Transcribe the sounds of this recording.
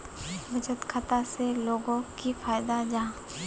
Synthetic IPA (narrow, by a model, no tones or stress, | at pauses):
bɐt͡ʃət̪kʰɐt̪aseloːɡõkifaːjd̪ad͡ʒãː